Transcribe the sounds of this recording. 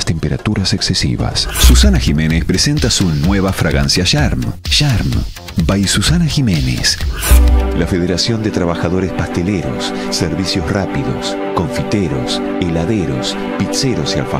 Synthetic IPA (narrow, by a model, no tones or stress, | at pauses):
st̪empeɾa̰t̪uɾaseksesḭβa̰ssusanaximẽ̞nespɾese̞nt̪asunweβ̞afɾaɣansjaʃaɾmʃaɾm | bajsusanaximenḛs | lafeðeɾasjo̞nd̪et̪ɾaβaxaðo̞ɾespast̪eleɾo̰sː | eɾβisjosrapiðo̰s | ko̞ɱfit̪eɾo̞s | elaðeɾo̞s | piseɾosia̰lfa